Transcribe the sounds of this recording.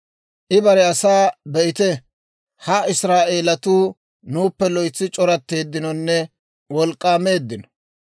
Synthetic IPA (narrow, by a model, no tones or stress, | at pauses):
ʔɪbɐɾɛɐsaːbɛʔɪt̪ɛ | hɐɪsɾaːʔe̞ːlɐt̪uː | nuːpːɛlɔjt͡sːɪt͡ʃʼɔɾɐt̪ːe̞ːd̪ːɪnɔnːɛ | wɔlkʼːaːme̞ːd̪ːɪnɔ̥